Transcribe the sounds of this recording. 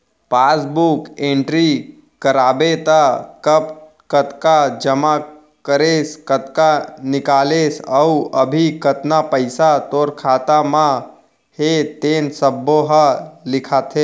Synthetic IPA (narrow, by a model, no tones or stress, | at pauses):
paːsbukẽɳʈɾi | kəɾaːbet̪akəp | kət̪kad͡ʒəma | kəɾeskət̪kanɪkaːlesəuəbʱikət̪napəɪsat̪oːɾkʰaːt̪amã | het̪eːnsəbːoɦəlɪkʰaːt̪ʰe